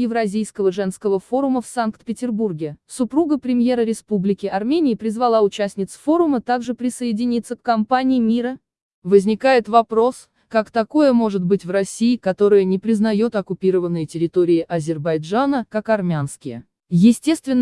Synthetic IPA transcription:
jɪvɾɐzʲijskəvəʐɛnskəvəfo̞ɾʊməfsankt̪pʲɪtʲɪrburɡʲɪsʊpɾuɡəpɾʲɪmʲje̞ɾəɾʲɪspublʲɪkʲɪɐrmʲenʲɪːɪpɾʲɪzvɐlˠaʊt͡ɕæsʲnʲɪt̪sfo̞ɾʊmət̪aɡʐɨpɾʲɪsəjɪdʲɪnʲit̪səkkɐmpanʲɪɪmʲiɾə | vəzʲnʲɪkajɪt̪vɐpɾo̞s | kakt̪ɐko̞jəmo̞ʐɨt̪̚bɨtʲvrɐsʲiːkɐt̪o̞ɾɨjənʲɪpɾʲɪznɐjo̞t̪ɐkʊpʲiɾəvənːɨjətʲɪɾʲɪt̪o̞ɾʲɪɪʔɐzʲɪrbɐjʐanəkakɐrmʲanskʲɪjə̰ | jɪsʲtʲe̞st̪vʲɪnː

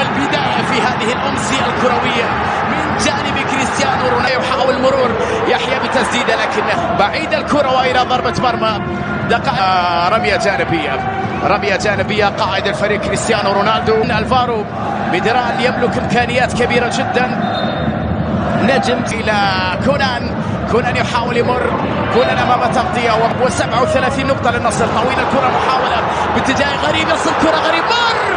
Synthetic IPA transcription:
ɪlbɪd̪aːjafiɦaːðɪhɪlʔʊmsɪjalkʊɾˤɑwɪjːa | mɪnd͡ʒaːnɪbikɾɪst̪jaːnuɾʊnaːjawħaːwɪlmʊɾuːɾ | jaħjabɪt̪asd̪iːd̪alaːkɪnːabaʕiːd̪alkʊɾˤɑwʔɪlaðˤɑɾˤbɑt̪mɑɾˤma | d̪aqɑːʔaɾˤɑmjad͡ʒaːnɪbɪjːa | ɾˤɑmjad͡ʒaːnɪbɪjːaqɑːʕɪd̪alfaɾiːɡ̚kɾɪst̪jaːnuɾʊnaːld̪unʔalfɑːɾˤu | mɪd̪ɾˤɑːnjɪmlʊkʔɪmkaːnɪjːaːt̪kabiːɾad͡ʒɪd̪ːan | nad͡ʒɪmʔɪla | kʊːnan | kʊːnanjħaːwɪljmʊrː | kuːnʔanʔamaːmat̪ɑqt̪ˤɨjawwɪsabʕawθalaːθiːnːʊqt̪ˤɑlɪnːɑsˤɨɾt̪ˤɑwiːlalkʊɾˤɑmʊħaːwala | bɪt̪ːɪd͡ʒaːjɣaɾiːbnɑsˤɨlkʊɾˤɑɣaɾiːb̚mʊr

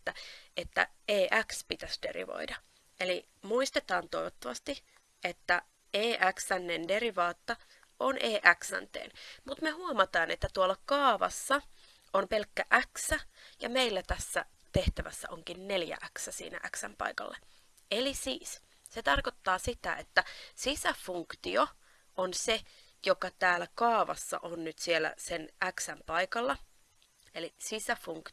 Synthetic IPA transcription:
et̪ːæet̪ːæ̰eːʔækspit̪æsd̥e̞̰rḭʋo̰idɑ | ʔeli | muist̪et̪ɑːnt̪ojʋot̪ːɑʋɑst̪i | ʔet̪ːæ | eːʔæksænːendeɾiʋɑːt̪ːɑ | ʔonʔeːʔæksæ̰nt̪ḛːnmut̪mehuomɑt̪ɑːnʔet̪ːæt̪uolːɑkɑːʋɑ̰sːɑ | ompelkːæʔæksæjɑ̰meilːæt̪æsːæ̰ | t̪eht̪æʋæsːæ̰ʔoŋkinneljæ̰ʔæksæsḭːnæ̰ʔæksæ̰mpɑ̰ikɑ̰lːɑ | elisiːs | set̪ɑrkot̪ːɑːsit̪æ̰ʔet̪ːæsisæfuŋkt̪io | onse | jokɑt̪æːlækɑːʋɑ̰sːɑ̰ʔonnyt̪sielːˑæ̰senʔæksæmpɑikɑlːɑ | elisisæfuŋk

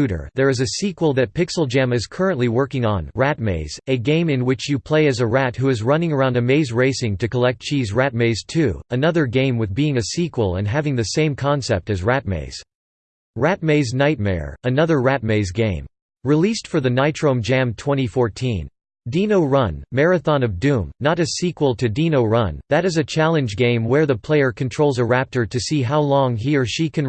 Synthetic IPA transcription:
ʉɾə̰˞ðə˞ɨzɨsikwl̩ˠðɨt̚pɪksl̩ˠd͡ʒæ̃mɨz̥kʰɜ˞ɨ̃nʔliwɜ˞kɪ̃ŋə̃nɹæt̚meɪz̥ɨɡẽɪ̃mɨ̃nwɨt͡ʃjɨpʰl̥eɪɨzɨɹæt̚ɦuɨzɹʌ̃nɪ̃ŋə˞ãʊ̃ndɨmeɪzɹeɪsɪ̃ŋtɨkəlɛk̚t̚t͡ʃʰizɹæt̚meɪz̥tʰʉɨnʌðə˞ɡẽɪ̃mwɨðbiɪ̃ŋɨsikwəl̩ˠə̰̃nɦævɪ̃ŋðɨsẽɪ̃mkʰɑ̃nsɛp̚tɨzɹæt̚mḛɪz̥ | ɹæt̚meɪznaɪt̚mɛ̰ɹɨnʌðə˞ɹæt̚meɪzɡẽɪ̃m | ɹilistfə˞ðɨnaɪtʰɹ̥õʊ̃md͡ʒæ̃mtʰw̥ɛ̃ɾ̃ifɔɹtʰĩn | dĩnoʊɹʌ̃nːɛɹɨθɑ̃nʌvdʉ̃mnəɾɨz̥sikwəl̩ˠtʰɨdĩnoʊɹʌ̃nðɨɾɨzɨt͡ʃʰælˠɨ̃nd͡ʒɡẽɪ̃mwə˞ðəpʰl̥eɪə˞kʰɨ̃n̩tʰɹ̥oʊlˠzəɹæp̚tə˞ɾɨsiɦaʊlɔ̃ŋɦiə˞ʃikʰɨ̃n

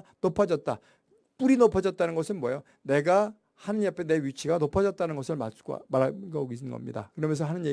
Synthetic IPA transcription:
nopʰad͡ʑʌt̚t͈a | p͈uɾinopʰʌd͡ʑʌt̚t͈anɯnɡʌsʰɯnmwʌjo | ne̞ɡa | hanɯnjʌpʰene̞ɥjut͡ɕʰiɡanopʰad͡ʑʌt̚t͈anɯnɡʌsʰɯɭmas͈ʰkmaɾaɡaoɡisʰɯnɡʌ̰mɲḭda̰kɯɾʌmjʌnsʰʌɦanɯnje

